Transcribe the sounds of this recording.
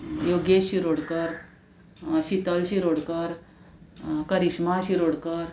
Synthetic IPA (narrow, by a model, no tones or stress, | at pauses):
joɡeɕiɾoɽkəɾ | ɕit̪əlɕiɾoɽkəɾ | kəɾiɕmaɕiɾoɽkəɾ